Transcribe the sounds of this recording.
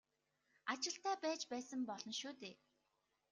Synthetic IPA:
at͡ɕɪ̆ɬt̪æːpæːt͡ɕpæːsə̆mpɔɮɞ̆nʃuːt̪eː

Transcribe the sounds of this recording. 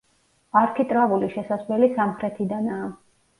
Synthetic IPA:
aɾkʰit̪ʼɾavuliʃɛsazvlɛlisamχɾɛt̪ʰid̪anaː

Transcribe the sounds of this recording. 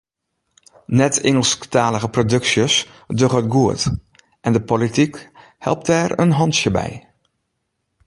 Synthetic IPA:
nɛtɪŋəlˠsktaːləɣəprodɵksjəs | døɣət̚ɡuət | ʔɛndəpolitik | hɛ̰lˠp̚tɛrə̰nɦɔnsjəbɛ̰j

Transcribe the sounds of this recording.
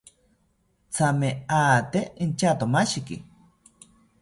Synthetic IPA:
t͡sameaːt̪eint͡ʃat̪omaʃikḭ

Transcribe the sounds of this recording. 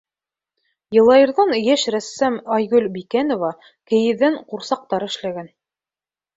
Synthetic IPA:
jɤ̆lˠɑjɤ̆ɾðɑnjæʃɾæsːæmɑjɡɵlʲbikænŏvɑ | kɘ̆jɘ̆ðæɴquɾsɑq̚t̪ɑɾɘ̆ʃlæɡæn

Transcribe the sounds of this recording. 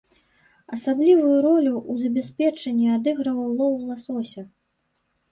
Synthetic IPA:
ɐsablʲivujuɾɔlʲuʔuzɐbʲɛsʲpʲɛt͡ʂɐnʲːiad̪ɨɣɾɐvɐwlˠɔwlˠɐsɔsʲɐ

